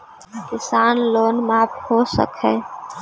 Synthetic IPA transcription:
kɪsaːnloːnmaːphoːsə̰kɦɛː

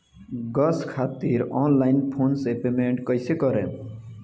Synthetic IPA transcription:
ɡʌskʰaːt̪iɾɔnlajɪnpʰoːnsepemeɳʈkʌjsekʌɾḛ̃

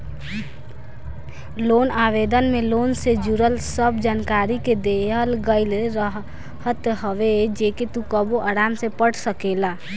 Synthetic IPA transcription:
loːnaːʋeːd̪ənmẽloːnsed͡ʒuɾəlsəbd͡ʒaːnkaːɾiked̪eɦəlɡəɪləɦ | ɦət̪ɦəʋed͡ʒeːket̪ukəboʔaːɾaːmsepəɽsəkeːlaː

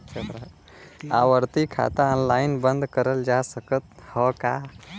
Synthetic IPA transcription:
t͡ʃʰet̪ɾ | awəɾt̪ikʰa̰t̪aɔnlaɪnbə̃nd̪kəɾəld͡ʒasəkət̪̚həka

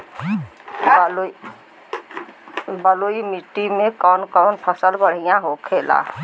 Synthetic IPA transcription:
bəloimiʈːimẽkɔnkɔnpʰəsəlbəɽ̤ijãɦokʰela̰

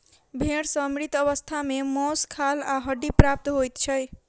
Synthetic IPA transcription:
bʱeɽsʌmɾit̪ːʌβʌst̪ʰamemɔskʰalaɦʌɖipɾap̚t̪ɦojt̪t͡ʃʰʌj

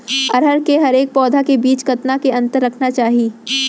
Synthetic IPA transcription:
ɐɾɦəɾkeɦɐɾeːk̚pɔːd̪ʱakebiːt͡ʃkɐt̪nakeɐ̃nt̪əɾːɐkʰnat͡ʃaːɦiː

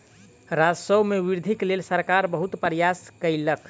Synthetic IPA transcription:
ɾad͡ʒsəwmeʋiɾd̪ʱiklelsəɾkaɾbəɦut̪pəɾjaskəjləkʰ

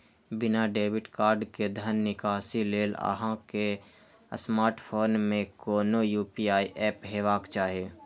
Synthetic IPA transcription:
bɪnaɖeːʋɪʈkaːɾɖked̪ʱənːɪkaːsileːla̰ɦãke | smaːɾʈpʰoːnmẽkoːnojuːpiːaːiʔɛːpɦeːʋaːkt͡ʃaːɦieː

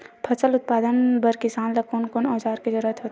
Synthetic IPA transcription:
pʰɐsəlʊt̪̚paːd̪ənbəɾkɪsaːnlɐkoːnkoːnɔːd͡ʒaːɾked͡ʒɐɾuɾət̪ɦoːt̪e

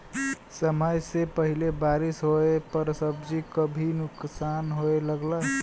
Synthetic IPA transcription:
səməjsepəɦilebaɾisɦoepəɾsəbd͡ʒikəbʱinʊksanɦoeləɡla

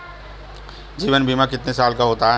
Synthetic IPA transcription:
d͡ʒiːʋənbiːmãkɪt̪nesaːlkaɦoːt̪aɦ

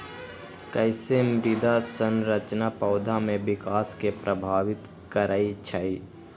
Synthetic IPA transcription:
kəɪsemɾɪd̪asənɾət͡ʃnapəʊd̪ʱamẽʋɪkaːskepɾəbʱaːʋɪt̪ | kəɾaːit͡ʃʰai

